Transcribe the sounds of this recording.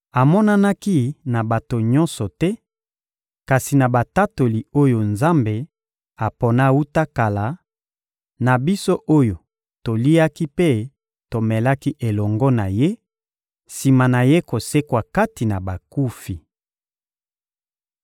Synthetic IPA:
a˨mɔ˦na˦na˦ki˦na˨ba˨to˨ɲɔ̃˦nsɔ˨tɛ˦ | ka˨si˨na˨ba˨ta˦to˨li˨o˦jo˨nza˦mbe˨ | a˨pɔ˨na˦wu˦ta˦ka˨la˨ | na˨bi˦so˦ʔo˦jo˨ | to˨li˦a˦ki˦pe˦ | to˨mɛ˨la˦ki˦ʔe˨lɔ˨ŋɡɔ˦na˨je˦ | si˨ma˨na˨je˦ko˨se˦kwa˨ka˦ti˨na˨ba˨ku˦fi˨

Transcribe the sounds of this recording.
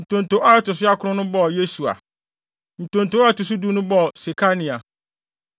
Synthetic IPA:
n̩˨tʰõ˨n˨tõ˨˦ʔa˦ɛ˦tʊ˨s̬ʊ˦a˦kʰʊ˦ʊ̃˦nʊ̃˦bɔ˦˨je˦su˨a̰˨ | n̩˨tʰõ˨ntõ˨˦a˦˨tʊ˨s̬u˦du˦nʊ̃˦bɔ˦˨se˨kʰa˦nĩ˨a˨

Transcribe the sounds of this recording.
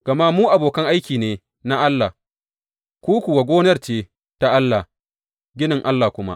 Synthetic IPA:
ɡ̥ɐ˨ma˦muː˦ʔa˨boː˨kɐ˦ŋʔa˦jkʲiː˨neː˦ | na˦ʔa˦lːa˨ | kʷuː˦kʷu˨wa˨ɡʷoː˦nɐ˦rt͡ʃeː˦ | ta˦ʔa˦lːa˨ | ɡʲɪ˦nɪ˨ŋʔa˦lːa˨kʷʊ˦ma̰˦ʔ

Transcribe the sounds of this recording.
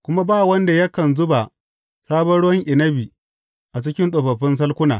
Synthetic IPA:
kʷʊ˦ma˦baː˦˨wɐ˦nda˨jɐ˦kɐ˨nzʊ˦ba˨ | saː˦bɐ˦ɽwɐ˦ŋʔɪ˨nɐ˦bi˨ | ʔa˨t͡ʃɪ˦kʲɪ˦nɗʼo˨bɐ˨ɸɪ˦ns̬ɐ˦lkʷʊ˦na̰ː˨

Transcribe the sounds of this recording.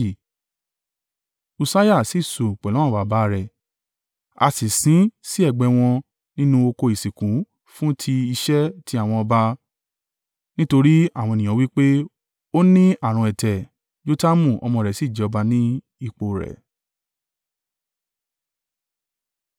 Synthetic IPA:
u˧sa˦ja˦˨si˨so˨k͡pɛ˨lɔ̃˨˦ɔ̃˦˨ba˨ba˦˧ɾɛ˨ | a̰˧si˨sĩ˨˦si˦ɛ˦˨ɡ͡bɛ˧w̃ɔ̃˧ | nĩ˦nũ˦o˧ko˧i˨si˨kũ˨˦ | fũ˦tʰi˧i˧ʃɛ˦tʰi˦a˨w̃ɔ̃˧ɔ˧ba˧ | nĩ˦to˧ɾi˦a˦˨w̃ɔ̃˧˨nĩ˨ã˨˦wi˦k͡pe˦ | o˦nĩ˦a˦˨ɾ̃ũ˧ɛ˨tɛ˨ | d͡ʒo˦ta˦mũ˦˨ɔ̰˧mɔ̃˧˨ɾɛ˨si˨˦˨d͡ʒɛ˨ɔ˧ba˧nĩ˦ | i˦˧˨k͡po˨ɾɛ̰˨

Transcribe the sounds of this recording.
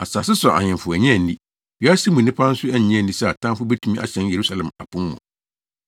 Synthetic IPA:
a˨sa˨sɪ˦sɔ˨ʔa̰˨ɲɪ̃˨fʊ˨æ˨ɲɛ̃˦˨˦dĩ˦ | ɥa˦si˦mũ˨nɪ̃˦pʰã˦n̩˦sʊ˦æ˦ɲ˨ɲɛ̃˦˨n̩˨dĩ˦sɛ˦a˨tʰã˦mfʊ˦bɛ˦tʰũ˦mĩ˦ʔa̰˨ɕɛ̃˦nje˨ɾu˦sa˦lɛ̃˨ma̰˨pũ˦mːɔ̰̃˨

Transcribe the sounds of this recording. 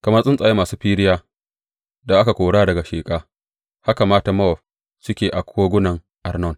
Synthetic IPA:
kɐ˨mɐ˦sʼɪ˦nsʼaː˨ji˦maː˨suː˦ɸiː˦ɽɪ˦jaː˦ | da˨ʔa˦ka˨kʷoː˨ɽaː˦dɐ˨ɡa˨ʃeː˨kʼaː˦ | ha˦ka˨maː˦ta˨mɐ˦ɔ˨ɸ̚ | t͡ʃɪ˦kʲeː˨ʔa˨kʷʰoː˦ɡʷʊ˦nɐ˨ŋ | ʔa˨rnɔ˦˨n

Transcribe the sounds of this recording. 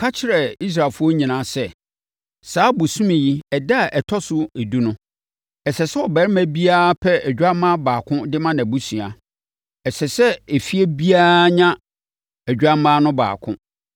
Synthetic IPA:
kʰa˦t͡ɕʰɪ˨˦ɾɛ˨i˦s̬ɾa˨fʊ˦ɔ˦ɲĩ˨nãː˨˦˨sɛ˦ | saː˨˦bu˨sũ˦mĩ˨ji˦ɛ˨da˦˨ʔɛ˨tʰɔ˦sʊ˦e˨du˦nʊ̃˦ | ɛ˨sɛ˨sɛ˦ɔ˨bɛ˨ɾɪ˦mæ̃˦bi˦aː˦pʰɛ˦ɛ˨d͡ʑᶣa˦mã˦baː˨kʰʊ̃˦dɪ˦mã˦nã˨bu˦sũ˨a˨ | ɛ˨sɛ˨sɛ˦e˨fi˦e˦bi˦aː˦ɲã˦ | æ˨d͡ʑᶣa˦mãː˦nʊ̃˦ba̰ː˨kʰʊ̰̃˦

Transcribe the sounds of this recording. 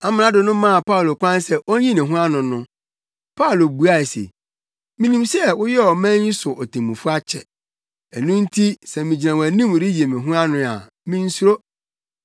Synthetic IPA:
a˨mɪ̃˨ã˦dɪ˨nʊ̃˦mã˦a˨pa˦˨lo˨kʷã˦n˦sɛ˦ʔo˦ɲĩ˦nɪ̃˨ɦʊ̃˦a˦nʊ̃˨nʊ̃˦ | pʰa˦˨lo˨bu˨a˨e˨sḛ˨ | mĩ˨nĩ˨msɛ˦wʊ˦jɛ˦ɔ˨mæ̃˦ɲĩ˦sʊ˨ʔɔ˨tʰẽ˨mũ˨fʊ˦a˦t͡ɕʰɛ̰˨ | ɛ˨nũ˦n̩˦tʰi˦sɛ˨mĩ˨d͡ʑi˨nã˨wæ˨nĩ˦m˨ɾi˦i˨e˨mɪ̃˨ɦʊ̃˦a˦nʊ̃˦a̰˨ | mĩ˦n̩˦su˦ɾo˦

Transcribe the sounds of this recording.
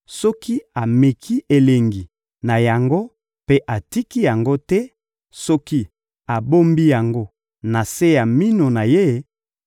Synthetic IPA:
sɔ˦ki˦a˨me˨kʰi˦e˨le˨ŋɡi˨ | na˨ja˨ŋɡo˦ | pe˦ʔa˨ti˦ki˦ja˨ŋɡo˦tɛ˦ | sɔ˦ki˦ | a˨bo˦mbi˦ja˨ŋɡo˦ | na˨se˦ja˨mi˦no˨na˨je˦˨˦

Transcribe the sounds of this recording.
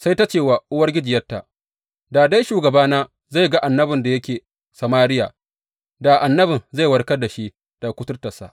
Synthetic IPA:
sa˦jta˦t͡ʃeː˦˨wa˨ʔʊ˦wɐ˦rɡʲɪ˦d͡ʒɪ˨jɐ˦tːa̰˨ʔ | daː˨da˦jʃuː˨ɡɐ˨baː˦naː˦ | za˦˨jɡa˦ʔa˨nːɐ˦bɪ˨nda˨jɐ˦kʲeː˨ | sɐ˨maː˦ɾɪ˦ja˨ | da˨ʔa˨nːɐ˦bɪ˨nza˦˨jwɐ˨rkɐ˦da˨ʃi˦ | d̥a˨kʷʊ˦tʊ˦rtɐ˨sa̰˦ʔ

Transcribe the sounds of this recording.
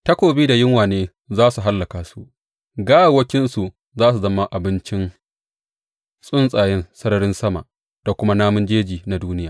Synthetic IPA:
tɐ˦kʷoː˨biː˦da˨jɪ˦ŋwaː˨neː˦ | zaː˦su˨ɦa˦lːɐ˨kaː˨su˨ʔ | ɡaː˦wa˨wɐ˦kʲɪ˦nsu˨ʔ | zaː˦s̬u˨zɐ˦mːa˦ʔa˨bɪ˦nt͡ʃɪ˦n | sʼʊ˦nsʼaː˨jɛ˦nsɐ˦ɾɐ˦ɽɪ˦nsɐ˦ma̰˨ʔ | d̥a˨kʷʊ˦ma˦naː˦mʊ˦nd͡ʒeː˦d͡ʒiː˨na˨duː˦nɪ˦jaː˨

